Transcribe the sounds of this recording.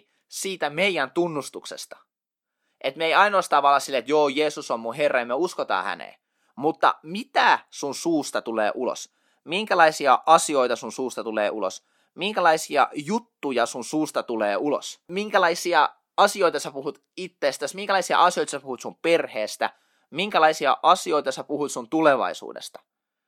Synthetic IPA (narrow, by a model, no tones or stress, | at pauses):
siːt̪æmeijːænt̪unːust̪uksḛst̪ɑ̥ | ʔet̪meiɑinost̪ɑːʋɑlːɑsilːet̪joːjeːsusommuherːɑjɑmeøuskot̪ɑ̰ːhæ̰nḛː | mut̪ːɑ̰mit̪æsunsuːst̪ɑt̪ulḛːʔulo̰s | miŋkælɑisiɑʔɑsioit̪ɑsunsuːst̪ɑt̪ulḛːʔulo̰s | miŋkælɑisiɑ̰jut̪ːujɑsunsuːst̪ɑt̪ulḛːulo̰smiŋkælɑisiɑ | ɑsioit̪ɑsepuhut̪ | it̪ːeːst̪æsmiŋkælɑisiɑ̰ʔɑsioit̪ɑsepuhut̪sumperheːst̪æ̰ | miŋkælɑisiɑ̰ʔɑsioit̪ɑsepuhut̪sunt̪uleʋɑ̰isṵːdḛst̪ɑ̥